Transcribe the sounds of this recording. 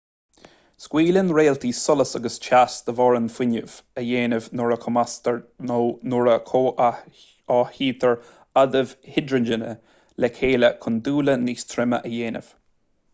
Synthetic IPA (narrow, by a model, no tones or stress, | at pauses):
skwiːlənɹeːlt̪ʰiːsʊləsəɡəst͡ʃʰasd̪̥əvɔːɹənfwɪnəv̥əjeːnəvnʊɹəkʰʊmast̪əɹonʊɹəkʰoːʔ | ɑːhiːt̪ʰəɹ | ad̪əv̥hɪdɹənd͡ʒənə | lɛkʰeːləkʰʊnd̪uːləniːst̪ʰɾɪmə̰ʔəjeːnə̰v̥